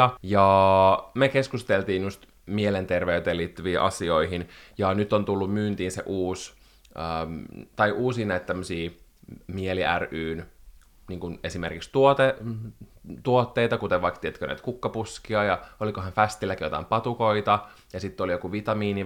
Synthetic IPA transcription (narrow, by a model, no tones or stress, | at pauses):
ɑjɑ | mekeskust̪elt̪iːnjust̪ | mielent̪erʋeyt̪eːliːt̪ːyʋiːʔɑ̰sioiɦinjɑnyt̪ːont̪ulːummyːnt̪iːnsḛʔuːs | ət̪ɑiʔuːsiːnæit̪t̪æmːøsiːmieliʔæryːn | niːŋkunesimerkikst̪uot̪e | t̪uot̪ːeit̪ɑkut̪eʋʋɑikt̪iet̪kønæ̰it̪kukːɑpuskiɑjɑolikoɦænfæst̪ilːækijot̪ɑ̰impɑt̪ukoit̪ɑ | jɑsit̪ːolijokuʋit̪ɑmiːni